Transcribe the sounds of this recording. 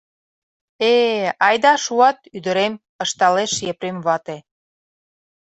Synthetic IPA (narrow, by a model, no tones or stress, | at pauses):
eɑjd̪ɑʃuɑt̪̚yd̪ə̆ɾem | ə̆ʃt̪ɑleʃjepɾemβɑt̪e